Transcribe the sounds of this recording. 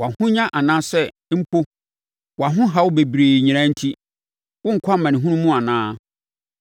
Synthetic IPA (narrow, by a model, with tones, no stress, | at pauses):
wa˨hʊ̃˦ɲã˦ʔa˨nãː˦sɛ˦m̩˦pʰo˦ | wɔ˨a˨ɦʊ̃˦ɦa˨wʊ˦be˨bɾeː˨ɲĩ˨ã˦n̩˦tʰi˦ | wʊ̃˦ŋ̩˨kʰʷa˦mã˨nɪ̃˨ɦũ˦nũ˦mũ˦a˨nãː˦